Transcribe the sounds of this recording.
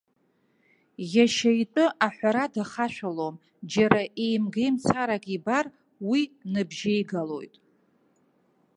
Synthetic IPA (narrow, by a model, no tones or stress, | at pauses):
jaʃajtʼɨʔaħʷaɾadaχaʃʷᶣalom | d͡ʒaɾaʔejmɡejmt͡sʰaɾakʼibar | winɨbʒejɡalo̞̰jtʼ